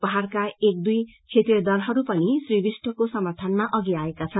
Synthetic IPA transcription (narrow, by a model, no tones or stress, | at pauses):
pʌɦarkaek̚d̪ujt͡sʰet̪jʌd̪ʌlɦʌɾupʌnisribisʈʌkosʌmart̪ʰanmaʔʌɡiaekat͡sʰʌn